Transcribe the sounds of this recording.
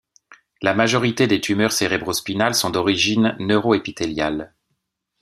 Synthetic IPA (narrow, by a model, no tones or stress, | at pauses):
lamaʒɔʁit̪ed̪et̪ymœʁseʁɛbʁospinalsɔ̃d̪ɔʁiʒinːøʁoepit̪eljal